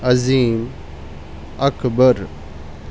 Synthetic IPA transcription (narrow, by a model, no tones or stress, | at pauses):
ɐziːm | ɐkbəɾ